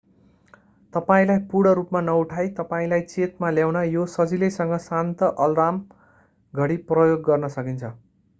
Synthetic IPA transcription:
t̪ʌpaĩlajpuɽʌɾupmanʌuʈʰajt̪ʌpaĩlajt͡set̪maljawnajosʌd͡zilesʌŋɡʌsant̪ʌʔʌld̪am | ɡʱʌɽiprʌjoɡːʌrnʌsʌkint͡sʰʌ

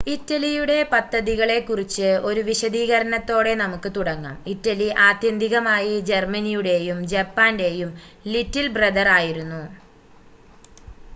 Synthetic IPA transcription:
itːɐlijuɽe̞pɐd̪ʱːɐðiɣɐɭe̞kːurit͡ɕːɨo̞ɾuʋiɕɐðiːɣɐɾɐnɐt̪ːo̞ːɽe̞nɐmukːɨt̪uɽɐŋːɐ̰mitːɐliʔaːt̪jɐnd̪ʱiɣɐmaːjid͡ʑermɐnijuɽe̞jumd͡ʑɐpːaːnde̞jumlitːilbrɐd̪ɐraːjiɾunːu

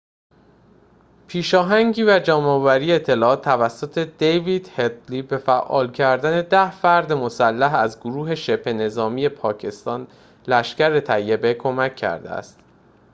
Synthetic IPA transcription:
pʰiːʃɒːɦæŋɟiːvæd͡ʒæːmɒːvæɾiːeeːt̪ʰːe̞lɒːɒːt̪ʰːævæsːot̪ʰe̞d̪̥ejviːd̪het̪liːbe̞fæʔɒ̰ːlcʰæɾd̪æne̞d̪æhfæɾd̪emo̞sælːæɦæzɡoɾuːɦe̞ʃe̞pʰhe̞ne̞zɒːmiːje̞pʰɒːcʰe̞st̪ɒːn | læʃcæɾe̞t̪ʰæjːe̞bekʰo̞mæcʰːæ̰ɾd̪ḛæ̰st̪

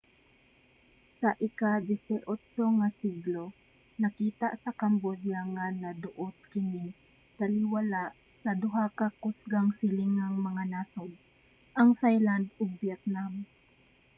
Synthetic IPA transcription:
saʔɪkad̪ɪsɛʔot̪t͡ʃoŋasiɡlo | nɐkiːt̪aʔsɐkɐmbod̪jaŋanɐd̪ʊʔot̪̚kɪni | t̪alɪwalaʔsɐd̪ʊɦakakʊsɡaŋsɪliŋaŋmɐŋanaːsod̪̚ | ʔɐŋsajland̪ʊɡ̚vjɛt̪̚nam

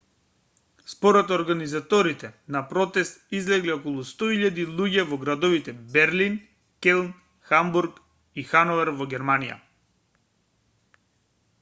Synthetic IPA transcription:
spɔɾɛt̪ɔɾɡanizat̪ɔɾit̪ɛnapɾɔt̪ɛst̪izlɛɡliɔkɔlˠust̪ɔiʎːad̪ilˠuɟɛvɔɡɾad̪ɔvit̪ɛbɛɾlin | kɛlˠn | xambuɾk | ixanɔvɛɾvɔɡʲɛɾmanija̰

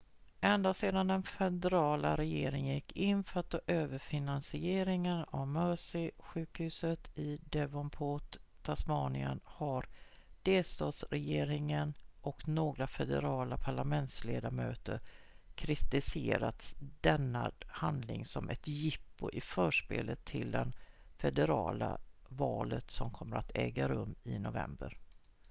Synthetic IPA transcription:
ʔɛnd̪aseːd̪and̪ɛnfɛd̪ɛɾɑːla̰ɾɛjeːɾɪŋjɛkːɪnːfœt̪ɔʔøːvəɾfɪnansɪeːɾɪŋəna̰vmœːʂɪɧʉ̟ːkhʉ̟ːsət̪ɪd̪ɛvɔmpʰoːt̪ʰː | asmɑːnɪə̰nhaɾd̪̥eːlst̪ɑːd̪sɾɛjeːɾɪŋənʔɔknoːɡɾafɛd̪ɛɾɑːlapʰaɭamɛnt̪sleːd̪amøːt̪əɾ | kʰɾɪt̪ɪseːɾat̪sd̪ɛnːahand̪lɪŋsɔmʔɛt̪jɪpːʊʔɪfœːʂpḛːlət̪ʰːɪld̪ɛnfɛd̪ɛɾɑːlavɑːlət̪sɔmkʰɔmːəɾʔat̪ʰɛːɡaɾɵmːɪnʊvɛ̰mbə̰ɾ

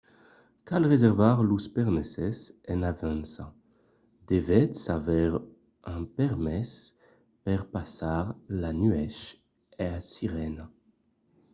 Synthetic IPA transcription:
kalʁezɛʁvaʁluspɛʁnesɛsɛ̃navɛ̃nsa | d̪evɛt̪savɛʁ | ɛ̃pɛʁmɛs | pɛʁpasaʁlanyɛʃ | easiʁɛna

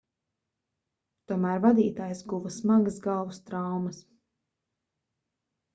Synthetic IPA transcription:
t̪uɔmæːɾvad̪iːt̪aːjsɡuvɐsmaɡəsɡalˠvust̪ɾawmɐs

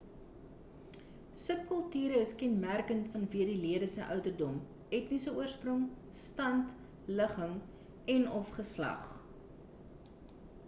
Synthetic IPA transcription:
səp̚kəlˠtyːɾəːskɛnmærkəntfɐnviərdiliədəsəʔœwtərdɔm | ɛtnisəuərsprɔŋ | stɐnt | ləχəŋ | ɛnɔfχəslɐ̰χ

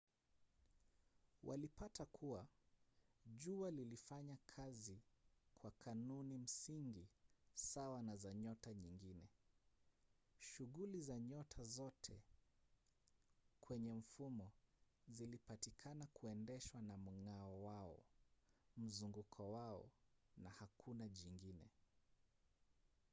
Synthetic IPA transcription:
wʔa̰lipatakʰuwa | ʄualilifaɲakʰazikʰwakʰanunim̩siŋɡisawanazaɲɔtaɲiŋɡinɛ | ʃuɣulizaɲɔtʰazɔtʰɛ | kʰwɛɲɛɱ̩fumɔzilipatikʰanakuɛndɛʃwanam̩ŋaɔwaɔ̰ | m̩zuŋɡukʰɔwaɔ̰nahakʰunaʄiŋɡinɛ

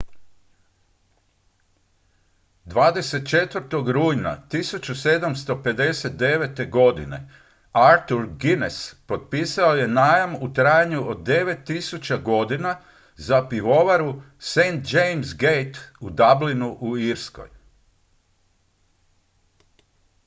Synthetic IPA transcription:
d̪ʋaːd̪e̞se̞t̪̚t͡ʃe̞t̪ʋəɾt̪o̞ɡɾuːjna̰t̪isut͡ɕuse̞d̪amst̪o̞pe̞d̪e̞se̞t̪̚d̪e̞ʋet̪e̞ɡo̞d̪ḭne̞̰ | aɾt̪uɾɡinespo̞t̪̚piːsao̞je̞naːjamut̪ɾaːjaɲuod̪d̪ːe̞ʋe̞t̪ːisut͡ɕaɡo̞d̪ina | zapiʋo̞ʋaɾu | sejnt̪d͡ʒejmzɡejt̪ud̪ablinuʔuiɾsko̰j

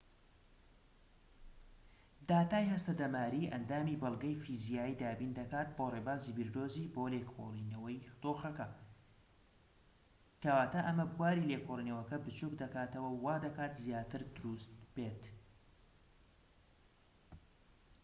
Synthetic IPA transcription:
d̪aːt̪aːjhɐst̪ɐd̪ɐmaːɾiːʔɐ̰nd̪aːmiːbɨlˠɡɐjfizijaːjid̪aːbiːnd̪ɐkaːt̪̚boreːbaːziːbiɾd̪oːziːboːleːkʰo̰liːnɐwɐjd̪̥oːxɐkɐ | kɐwaːt̪aʔɐmɐbuwaːɾiːleːkʰoliːnɐwɐkɐbɨt͡ʃukd̪ɐkaːt̪ɐwɐwaːd̪ɐkaːt̪zjaːt̪ɨɾd̪ʊɾust̪̚beːt̪

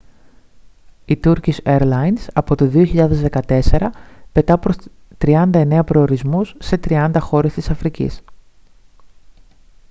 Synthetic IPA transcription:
it̪uɾciseɾlɐjnsɐpo̞t̪oðio̞çiʎɐðe̞zðe̞kɐt̪e̞se̞ɾɐpe̞t̪ɐpɾos | t̪ɾiɐnd̪ɐe̞ne̞ɐpɾo̞ːɾizmusːe̞t̪ɾiɐnd̪ɐxo̞ɾe̞st̪isɐfɾicḭs

